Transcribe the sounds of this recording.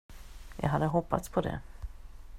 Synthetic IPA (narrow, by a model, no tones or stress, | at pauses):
jʔɑ̰ːɡɦad̪ːəɦɔpːat̪spʰɔd̪ɛ̰